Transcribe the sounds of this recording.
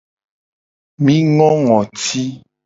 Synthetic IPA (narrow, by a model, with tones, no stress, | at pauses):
mĩ˦ŋɔ̃˦ŋɔ̃˨ti˦